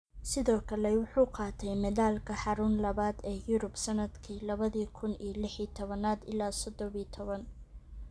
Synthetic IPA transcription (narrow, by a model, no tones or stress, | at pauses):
sɪðɔːkʰɐlɛwʊħuːqɑːt̪ʰɛjmɛðaːlkʰɐħɑɾʊnlɐβaːd̪ɛːjʊɾʊbsɐnɐd̪kʰiːlɐβɐðiːkʰʊnḭːjlɪħiːt̪ʰɔβɐnaːd̪ɪ̰laːsɔd̪ɔβiːt̪ʰɔβɐn